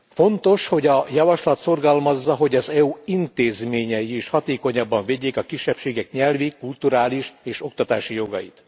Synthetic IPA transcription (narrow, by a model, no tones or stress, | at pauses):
fo̞nt̪o̞ʃho̞ɟɒjɒvɒʃlɒt̪so̞rɡɒlmɒzːɒɦo̞ɟɒzɛuint̪eːzmeːɲɛjieːʃhɒt̪eːko̞ɲɒbːɒɱveɟːeːkɒkiʃːɛpʃeːɡɛkɲɛlvikult̪uɾaːliʃeːʃo̞kt̪ɒt̪aːʃijo̞ɡɒ̰jḭt̪